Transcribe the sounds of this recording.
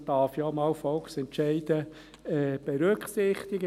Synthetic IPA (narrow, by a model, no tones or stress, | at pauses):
d̥ɑːfjɔːmɑːwfɔlksɛntʃɛɪd̥ə | ɛːb̥ɛɾøkχsɪχt̪ɪɡə